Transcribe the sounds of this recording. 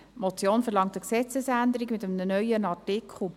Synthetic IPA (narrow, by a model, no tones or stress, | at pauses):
mɔt͡sjoːnfəɾlɑŋtəksɛt͡səsænd̪əɾikmɪtəmənənœʏjənɑtɪkʰχl̩